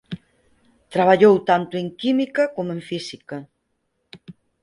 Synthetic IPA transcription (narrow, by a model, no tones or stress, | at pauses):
t̪ɾaβaʎowt̪ant̪ʊeŋkimikɐkomoẽɱfisikɐ